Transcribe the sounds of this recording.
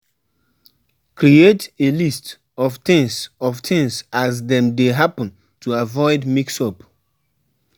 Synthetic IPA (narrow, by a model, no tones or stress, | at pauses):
kʰɹietelist | ɔvtɪ̃ŋsɔvtʰɪ̃ŋsazðɛ̃mdeɦapə̃n | tʰuavɔɪdmiksɔp